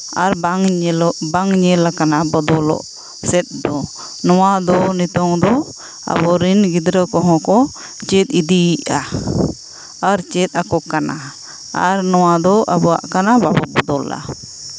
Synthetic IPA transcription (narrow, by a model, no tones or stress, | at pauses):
aɾbŋɔbaŋɲɛlakanabɔd̪ɔlɔ̰ʔ | sɛt̪̚d̪ɔ | nɔwad̪ɔnit̪ɔŋd̪ɔ | a̰bɔɾinɡid̪ɾəkɔɦɔ̃kɔ | t͡ʃɛt̪̚id̪iiʔa | aɾt͡ʃɛt̪̚ˀakɔkana | a̰ɾnɔwad̪ɔʔa̰bɔa̰ʔkanababɔbɔd̪ɔla̰